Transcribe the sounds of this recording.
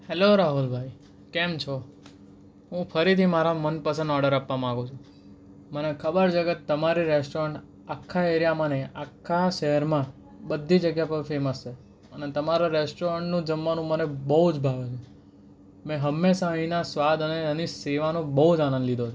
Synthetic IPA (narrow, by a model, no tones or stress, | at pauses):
hɛloɾaɦulbʱaj | kemt͡ʃʰo | ɦũfəɾit̪ʰimaɾamənpəsə̃nd̪ɔɾɖəɾapʋamããɡũt͡ʃʰũ | mənekʰəbəɾt͡ʃʰeket̪əmaɾiɾɛsʈoɾəɳʈ | akʰːaeɾjamaneakʰːaʃɛɦəɾmã | bəd̪ʱːid͡ʒəɡjapəɾfeməst͡ʃʰe | ənet̪əmaɾaɾɛsʈoɾəɳʈnũd͡ʒəmːanũmənebəɦud͡ʒbʱaʋet͡ʃʰe | mɛ̃ɦəmːeʃaə̃ĩnasʋad̪əneəniseʋanũbəɦud͡ʒanə̃nd̪lid̪ot͡ʃʰo